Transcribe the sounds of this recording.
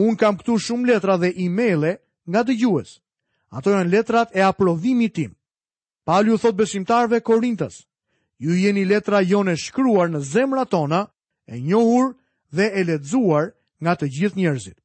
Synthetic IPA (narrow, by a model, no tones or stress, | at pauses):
unkamkt̪uʃumlɛt̪ɾaðɛʔimɛjlˠɛ | ŋɡad̪əd͡ʑuɛs | a̰t̪ɔjanlɛt̪ɾat̪ɛapɾɔðimit̪im | paliuθɔt̪̚bɛsimt̪aɾvɛkɔɾint̪ə̰s | jujɛnilɛt̪ɾajɔnɛʃkɾuaɾnəzɛmɾat̪ɔna | ɛɲɔhuɾ | ðɛɛlɛzuaɾ | ŋɡat̪əd͡ʑiθɲɛɾzit̪